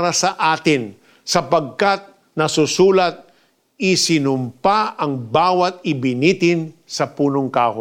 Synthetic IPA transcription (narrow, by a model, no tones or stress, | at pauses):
ɾɐsɐʔaːt̪ɪn | sɐpɐɡ̚kat̪̚ | nɐsʊsuːlɐt̪̚ | ɪsɪnʊmpaʔɐŋbaːwɐt̪̚ɪbɪnit̪ɪnsɐpuːnoŋkaːho